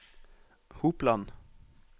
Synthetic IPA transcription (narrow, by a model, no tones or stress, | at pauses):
huːplɑn